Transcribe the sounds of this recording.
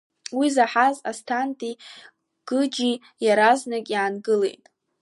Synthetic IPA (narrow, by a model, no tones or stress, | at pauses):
wizaħazastʰantʼi | ɡ̥ɨd͡ʒi | jaɾaznakʲʼjaːnɡɨle̞̰jtʼ